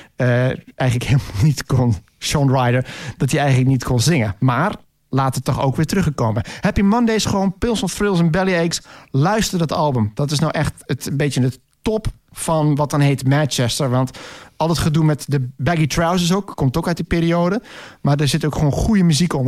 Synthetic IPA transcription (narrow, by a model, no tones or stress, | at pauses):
əʔɛjɣənləkheːlˠmɔlˠnitkon | ʃɔnɹajdəɹd̥ɔtiɛjɣənlək̚nitkʰonzɪŋəmaːr | laːtətːɔxo̰ːkʋɪːtrøxəkoməhɛpimɔndeːsəxəʋoːnpɪlˠsɔfrɪlˠs̬ɛnbɛlˠiejkslœɥstərdɔtɑlˠbəmd̥ɔtɪsnowʔɛxtətnbetjəndə | tɔp | fɔnʋɔt̚dɔnheːtmɛnt͡ʃɛstəɹʋɑntɔlˠətχədumɛtdəbɛɡitraws̬əs̬oːkkːomtokœɥt̚ipeːɾioːdəmaɹdəɹzɪtowkxʋoːnxujəmyzikom